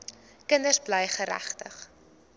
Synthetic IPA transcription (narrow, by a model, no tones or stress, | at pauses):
kəndərsbləjχəɾæ̰χtə̰χ